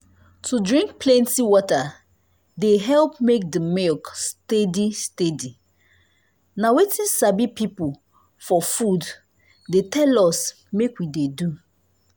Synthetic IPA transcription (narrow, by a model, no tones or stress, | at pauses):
tʰudɹĩŋkpʰlɛ̃ntiwɔta | deɦɛlpmek̚dəmelkstedistedi | nawetĩnsabipipu | fɔfud | detʰɛlɔs | mekwidedu